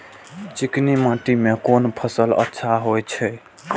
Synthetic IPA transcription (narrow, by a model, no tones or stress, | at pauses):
t͡ʃɪknimãːʈimẽkonpʰəsələ̰tːʃʰaɦojt͡ʃʰɛ